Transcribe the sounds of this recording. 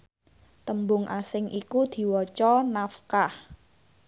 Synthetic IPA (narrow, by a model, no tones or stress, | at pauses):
t̪əmbʊŋʔasɪŋʔikud̪̥i̤wɔt͡ʃɔnafkah